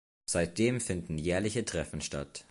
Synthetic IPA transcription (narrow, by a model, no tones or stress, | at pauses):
z̥aɪt̚d̥eːmfɪndn̩jɛːɐlɪçətʁ̥ɛfn̩ʃta̰t